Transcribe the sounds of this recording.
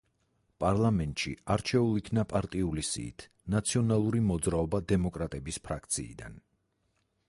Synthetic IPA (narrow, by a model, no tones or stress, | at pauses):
pʼaɾlˠamɛnt̪ʼʃḭaɾt͡ʃʰɛulˠikʰnapʼaɾt̪ʼiulisḭːt̪ʰ | nat̪sʰiɔnalˠuɾimɔd̪zɾaɔbad̪ɛmɔkʼɾat̪ʼɛbispʰɾakʰt̪sʰḭːd̪a̰n